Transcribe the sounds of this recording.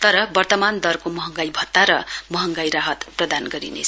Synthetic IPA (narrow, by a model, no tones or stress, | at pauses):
t̪ʌɾʌbʌrt̪ʌmand̪ʌrkomʌɦʌŋɡajbʱʌt̪ːaɾʌmʌɦʌŋɡajɾaɦʌt̪prʌd̪anɡʌɾḭnḛt͡sʰ